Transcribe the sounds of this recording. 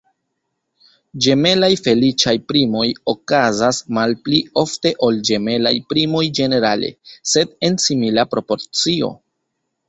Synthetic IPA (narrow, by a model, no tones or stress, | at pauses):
d͡ʒe̞me̞lajfe̞lit͡ʃajpɾimo̞jo̞kazasmalplio̞fte̞ʔo̞ld͡ʒe̞me̞la̰jpɾimo̞jd͡ʒe̞ne̞ɾale̞̰se̞de̞nsimilapɾo̞po̞ɾt͡sio̞̰